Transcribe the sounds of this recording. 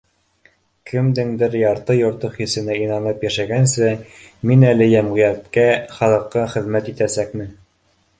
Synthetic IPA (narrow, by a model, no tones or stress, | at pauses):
kʰɘ̆md̪ɘŋd̪ɘɾjɑɾt̪ɤjŏɾt̪ɤχisɘ̆næinɑnɤpjæʃæɡænsɘminælɘjæmʁɤ̆jæt̪kæχɑlˠɤ̆qːɤχɘ̆ðmæt̪it̪æsækmɘ